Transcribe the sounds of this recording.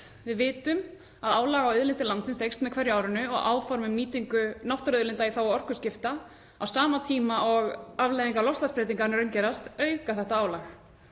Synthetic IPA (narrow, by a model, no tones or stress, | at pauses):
vɪðvɪːt̪ʏm | aðaːwlaːɣawʏðlɪnt̪ɪlant̪sɪnsejkst̪mɛðkʰvɛɾjʏaːwɾɪnʏɔ̰ɣʔa̰ːwfɔɾmʏmːiːt̪iŋkʏnawht̪œɾœðlɪnt̪aiθawaɔr̥kʏscɪft̪a | awsaːmat̪ʰiːmaʔɔɣavlajðiŋkalɔfst̪lanspɾɛːt̪iŋkanɛɾʏncɛːɾast̪œːɥkaθɛht̪aaːwlax